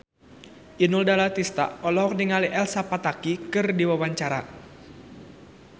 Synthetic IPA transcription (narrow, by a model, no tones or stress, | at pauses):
ʔinuldalat̪ist̪a̰ɔlɔɦɔk̚niŋaliʔɛlsapat̪akikɨrdiwawaɲt͡ʃaɾa